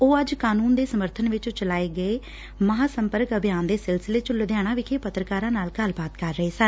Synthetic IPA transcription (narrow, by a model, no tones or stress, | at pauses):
oːəd͡ʒkaːnuːnd̪eːsəməɾt̪ʰənʋɪt͡ʃt͡ʃəlaːeːɡəeː | məɦaːsəmpəɾkəbjaːnd̪eːsɪlsɪleːt͡ʃʊld̪jaːɽ̃ãːʋɪkʰeːpət̪ɾəkaːɾãːnaːlɡəlbaːt̪kəɾːəɦeːsən